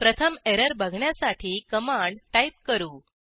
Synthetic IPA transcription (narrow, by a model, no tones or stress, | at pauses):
pɾət̪ʰəmeɾəɾbʱəɡʱɳjasaʈʰiːkəmaɳɖʈaip̚kəɾuː